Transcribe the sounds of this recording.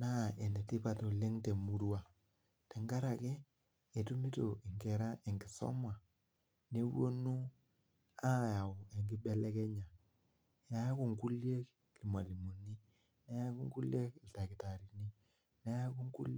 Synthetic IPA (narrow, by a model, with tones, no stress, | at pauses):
na˦˨e˨nde˨ti˦pa˨to˨le˦ŋte˨mu˦ɾwa˨ | te˨ŋɡa˦ɾa˨kɛ˦ | e˨tu˦mi˦to˨i˨ŋɡɛ˨ɾa˦ʔe˨ŋɡi˨sɔ̰˦mwa˨ | ne˦wo˦nu˦ | a˦ja˨o˨e˨ŋɡɪ˦ɓɛ˦lɛ˦kɛ˦ɲa˨ | ja˨˦a˦ku˦˨ŋku˦lje˦k | li˨mwa˨li˨mo˨ni˦ | ne˦a˦ku˦ŋɡu˦lje˦klta˨ki˨ta˨ɾi˨ni˦ | ne˦ja˦ku˦ŋɡṵ˦l